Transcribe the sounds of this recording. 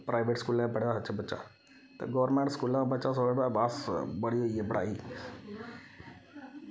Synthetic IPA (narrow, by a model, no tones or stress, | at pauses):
pɾʔaːɪʋeːʈskuːlãpəɽjaɦət͡ʃʰəbətːt͡ʃa̰ | t̪ɐ̰ɡɔːʋəɾmẽɳʈskuːlãbət͡ʃas̬oeɽabaːsbəɽ̤ijoiebəɽa̰ːiː